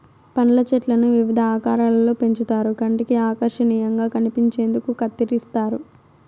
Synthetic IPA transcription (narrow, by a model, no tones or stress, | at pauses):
pɐnɐlɐt͡ʃɛʈlɐnuʋiʋid̪ʱɐaːkaːɾaːlɐlo̞ːpe̞ɲt͡ʃut̪aːɾukɐɳʈikiaːkɐɾʂɐniːjɐŋɡaːkɐnipiɲt͡ʃe̞ːnd̪ukukɐt̪ːiɾist̪aːɾu